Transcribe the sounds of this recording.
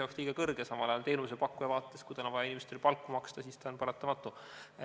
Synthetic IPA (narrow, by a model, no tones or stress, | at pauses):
jɑksliːɡ̥ɑkɤrɡ̥e̞sɑmɑlɑjɑlt̪e̞ːnusepɑkːˑujɑvɑːt̪ːˑeskud̪ɑlonvɑjɑinimest̪elpɑlkːˑumɑkst̪ɑsiːst̪ɑonpɑɾɑt̪ːˑɑmɑt̪ːˑu